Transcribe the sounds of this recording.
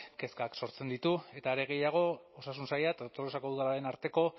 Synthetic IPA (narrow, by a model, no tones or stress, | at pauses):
ke̞skakso̞ɾt͡se̞nd̪it̪ue̞t̪aːɾe̞ɣ̞e̞jaɣ̞o̞osasunsajat̪aot̪oɾosako̞ðuðalaɾe̞naɾt̪e̞ko̞